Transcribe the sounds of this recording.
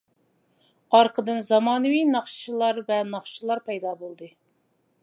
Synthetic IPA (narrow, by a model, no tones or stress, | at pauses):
ɑɾqʰəd̪ɨnzɑmɑːnɨwijnɑχʃt͡ʃʰilˠɑɾvɛnɑχt͡ʃʰilˠɑɾpɛjd̪ɑbolˠd̪ɨ